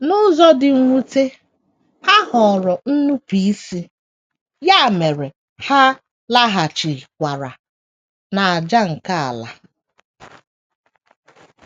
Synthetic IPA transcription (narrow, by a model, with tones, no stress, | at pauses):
nʊ˦zɔ˦dɪ˨ŋʷu˦te˦ | ha˦hɔ˨ɾɔ˨n̩˦nu˦pi˦si˦ | ja˦˨me˨ɾe˨ | ha˦ | la˦ɦa˨t͡ʃi˨kʷa˨ɾa˨ | na˨a˨d͡ʒa˦ŋ̩˨ka˦a̰˨la̰˨